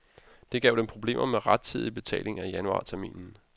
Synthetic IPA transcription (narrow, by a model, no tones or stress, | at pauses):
d̥e̝ɡ̥ɛʊd̥empʰʁo̝b̥le̝̰ːmʔɐmeʁɑd̥̚t͡sʰið̞̰ˠib̥e̝t͡sʰɛ̰ːle̝ŋæjænuɑ̰̈ːt͡sʰæɐmḭːnn̩